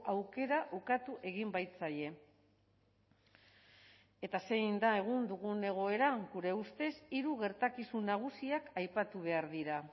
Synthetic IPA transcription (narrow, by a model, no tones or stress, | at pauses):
ʔawke̞ɾaʔukat̪uʔe̞ɣ̞imbajt͡saje̞ | e̞t̪ase̞jnd̪ae̞ɣ̞und̪uɣune̞ɣ̞o̞e̞ɾaɡuɾe̞ust̪e̞siɾuɣe̞ɾt̪akisunaɣ̞usiakajpat̪uβ̞e̞aɾðiɾa